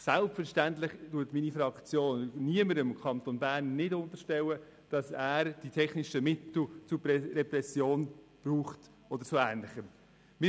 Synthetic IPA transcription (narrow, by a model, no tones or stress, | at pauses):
sælpfəɾʃtæntlɪχtutminifɾɑkt͡sjoːnniəməɾəmkʰɑnt̪onbæːɾnːɪdʊnt̪əɾʃtɛwə | d̥ɑsæːɾd̥itʰɛχniʃəmɪtl̩t͡supɛɾɛpɾɛsjoːn | b̥ruːχt | ɔdəɾt͡suæːnlɪχəm | mɪ